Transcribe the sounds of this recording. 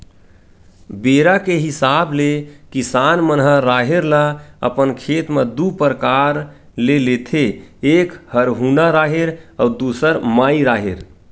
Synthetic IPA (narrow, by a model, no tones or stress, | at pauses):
beɾakeɦisablekisanmənɦəɾaɦeɾlaə̰pənkʰet̪med̪upəɾkaɾ | lelet̪ʰeːkhəɾɦunaɾaɦeɾaud̪usəɾmaiɾaɦeɾ